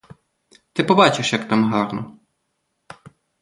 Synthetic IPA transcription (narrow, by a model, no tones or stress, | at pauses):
t̪ɪpɔbɑt͡ʃɪʃjɐkt̪ɑmɦɑrnɔ